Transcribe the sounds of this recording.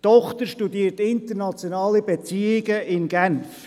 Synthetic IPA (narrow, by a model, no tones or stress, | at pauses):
tɔχt̪əɾʃtudiːəɾtɪnt̪əɾnɑt͡sjonɑːlibet͡siɪɡəɪnɡænf